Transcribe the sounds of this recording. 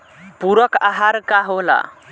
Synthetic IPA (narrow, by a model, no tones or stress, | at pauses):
buɾʌkaɦaɾkaɦola̰